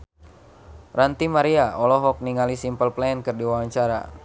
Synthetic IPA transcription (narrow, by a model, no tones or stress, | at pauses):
rant̪imaɾiaɔlɔɦɔk̚niŋalisimpəlplɛɛnkɨrdiwawaɲt͡ʃaɾa̰